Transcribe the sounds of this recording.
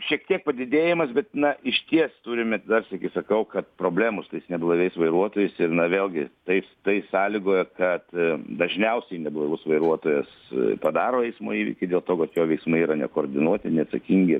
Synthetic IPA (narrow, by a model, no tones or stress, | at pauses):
ʃʲiɛkt̪ʲiɛk̚pɐd̪ʲɪd̪ʲeːjɪmɐsbʲɛt̪nɐɪʃʲt̪ʲiɛst̪uːɾʲɪmʲɛt̪ʲd̪ɐrsʲɪkʲɪsɐkɐʊkɐt̪̚pɾoːbʲlʲæːmʊst̪ɐɪsnʲɛblˠɐʋʲɛɪsʋɐɪɾuɔt̪oːjɛɪsɪrnɐʋʲeːlʲˠɡʲɪt̪ɐɪst̪ɐɪsɑːlʲɪɡoːjɛkɐt̪d̪ɐʒʲnʲɛʊsʲɛnʲɛblˠɐʋʲʊsʋɐɪɾuɔt̪oːjɛs | pɐd̪ɑːɾoːɛɪsmo̰ːiːʋʲɪ̰kʲɪdʲeːlˠt̪oːkɐt̪joːʋʲɛɪksmɐɪiːɾɐnʲɛ̰koːrʲd̪ʲɪnuɔt̪ʲɪnʲɛɐt̪sɐkʲiŋʲɡʲɪ